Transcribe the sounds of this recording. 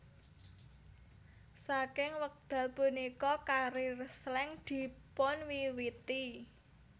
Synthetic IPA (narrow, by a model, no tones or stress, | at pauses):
sakɪŋwək̚d̪̥a̤lpunikɔkaɾirəslɛŋd̪̥i̤pʊnwiwit̪i